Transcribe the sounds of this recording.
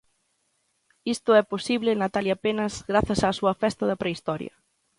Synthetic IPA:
ist̪ʊɛposiβlɪnat̪aljapenɐzɣɾaθɐsaːsuɐfɛst̪ɐðɐpɾeist̪ɔɾjɐ̰

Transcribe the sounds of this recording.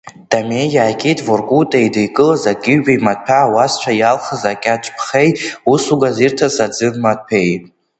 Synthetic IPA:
d̥amejaːkʲʼitʰʼvorkʼutʼaidɨjkʼɨlazaɡʲɪɥbajmat̚ʼpʰaːwast͡ʃʷʰajalχəzakʲʼat͡ʃʷʼpʰχe̞jusuɡazirtʰasad͡zɨmmat̚ʼpʰej

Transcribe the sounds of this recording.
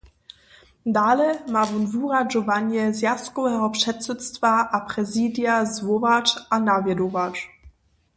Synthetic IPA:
dalɛmavunvuʁad͡ʒɔvanjɛzjaskɔvɛɦɔpʂɛtsɛtstvaʔapʁɛziːdjazvɔvat͡ʃanavjɛdɔvat͡ʂ

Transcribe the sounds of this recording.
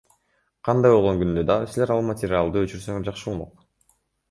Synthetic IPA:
qʰɑnd̪ɑjbo̞lˠʁo̞ŋɡynd̪ød̪ɑʁɯsileɾɑlˠmɐtʲɪɾʲɪalˠd̪ɯøt͡ʃyɾsøŋeɾd͡ʒɑqʃɯunoq

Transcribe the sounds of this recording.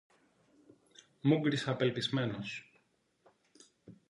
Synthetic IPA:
muɡɾisɐpelpizme̞nos

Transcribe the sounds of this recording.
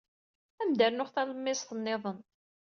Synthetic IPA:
æmd̪əɾnʊχθæləmːɪsθənːɪðˤən

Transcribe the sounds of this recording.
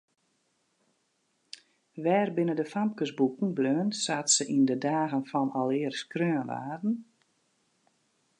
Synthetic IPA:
ʋɛːrbɪnədəfam̚kəsbukn̩bløːənsaːtsəʔindədaːɣənfɔnɔlˠɪːərskrøːənʋa̰ːrdn̩

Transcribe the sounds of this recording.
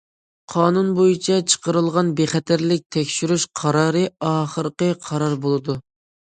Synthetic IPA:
qʰɑːnunbojit͡ʃʰɛt͡ʃʰə̥qəɾɨlˠʁɑnbeχɛt̪ʰæɾlɪk̚ʲt̪ʰɛkʲʃyɾyʃqʰɑɾɑːɾɨɑːχəɾqəqʰɑɾɑɾbolˠɨd̪u

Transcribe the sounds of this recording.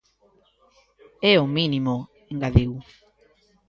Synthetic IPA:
eominimo | eŋɡaðew

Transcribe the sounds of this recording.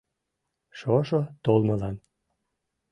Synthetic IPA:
ʃoʃot̪olmə̆lɑn

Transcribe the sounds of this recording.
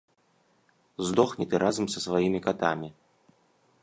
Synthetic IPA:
zd̪ɔxnʲit̪ɨɾʔazɐmsɐsvajimʲikat̪amʲi

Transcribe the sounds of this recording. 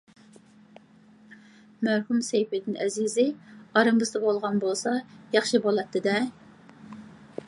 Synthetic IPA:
mæɾhumsejpɪd̪ɪnɛzizɪɑɾɨmbɨzd̪ɨbolˠʁɑnbolˠsɑjɑχʃibolˠɛt̪ʰːɪd̪ɛ

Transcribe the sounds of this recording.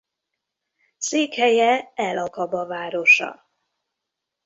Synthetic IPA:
seːkhɛjɛɛlɒkɒbɒvaːɾo̞ʃɒ̰

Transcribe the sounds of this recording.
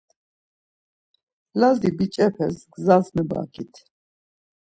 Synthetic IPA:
lazibit͡ʃʼɛpʰɛsɡzasmɛba̰kʰit̪ʰ

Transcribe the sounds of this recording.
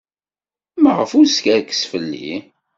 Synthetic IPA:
mʁəfuɾskæɾkːə̥sfəlːḭ

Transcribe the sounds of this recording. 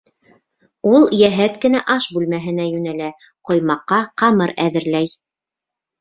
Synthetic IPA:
ulˠjæɦæt̪kɘ̆næʔɑʃbʉlmæɦɘ̆næjʉnælæ | qŏjmɑqːɑqɑmɤɾæðɘ̆ɾlæj

